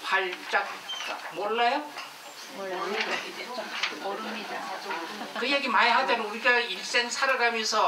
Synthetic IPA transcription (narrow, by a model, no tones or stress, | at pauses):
paɭt͡ɕ͈ak͈̚amwʌɭːajo | kɯjeɡimajeɦadenuɾiɡaiɭs͈eŋsʰaɾɯɡamjʌnsʰʌ